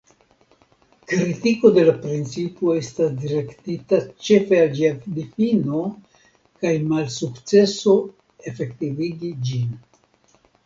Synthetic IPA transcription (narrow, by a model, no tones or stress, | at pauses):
kɾitiko̞de̞lapɾint͡sipoe̞stasdiɾe̞ktitat͡ʃe̞fe̞ald͡ʒiad̪ifino̞ | kajmalsukt͡se̞so̞ | e̞fe̞ktiviɡid͡ʒin